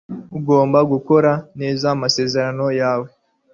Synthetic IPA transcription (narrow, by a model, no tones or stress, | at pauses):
uɡo̞ːmbaɡuko̞ɾane̞ːzamase̞ːze̞ɾano̞jaːwe̞